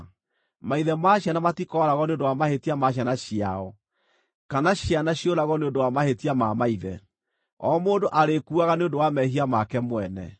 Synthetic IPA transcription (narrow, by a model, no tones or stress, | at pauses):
maiðɛmaɕjanamatikɔɾaɣɔneondowamahetiamaɕ̬janaʃia̰ɔ | kanaɕianaɕjoɾaɣɔneondowamahetiamamaiðɛ | ɔmoːndoʔaɾekuaɣaneondowamɛɦiamakɛmwɛnɛ̰